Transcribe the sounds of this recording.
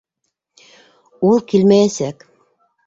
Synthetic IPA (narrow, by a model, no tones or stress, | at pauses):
olˠkilmææsæk